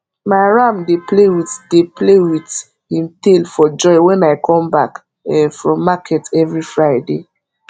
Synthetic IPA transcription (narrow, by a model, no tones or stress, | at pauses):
maɪɹamdeplewideplewit | hĩmtelfɔd͡ʒɔɪwɛ̃naɪkʰɔ̃mbak | ɛfɹɔ̃mːakʰɛtɛvɹifɹaɪde